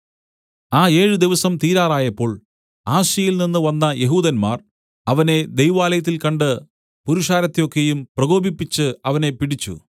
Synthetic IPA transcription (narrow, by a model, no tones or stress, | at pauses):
aːe̞ːɻɨd̪iʋɐsɐmt̪iːɾaːraːjɐpːo̞ːɭ | aːɕɐjilninːɨʋɐnːɐje̞ɦuːd̪ɐnmaːr | ɐʋɐne̞d̪e̞jʋaːlɐjɐt̪̬ːilkɐɳɖɨ | puɾuʂaːɾɐt̪ːejo̞kːejumprɐɣo̞ːbipːit͡ɕːɨɐʋɐne̞piɽit͡ɕːṵ